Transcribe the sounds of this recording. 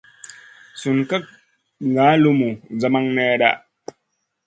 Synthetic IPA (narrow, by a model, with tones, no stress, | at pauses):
su˨nka˦k̚ | ŋɡa˨˦lu˦mu˨d͡za˦ma˦ŋnɛ˦ɗa̰˦ʔ